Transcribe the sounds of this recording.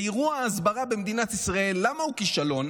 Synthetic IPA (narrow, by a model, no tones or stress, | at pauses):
iʁuaːzbaʁabemd̪inat̪isʁae̞lːamaukiʃalo̞n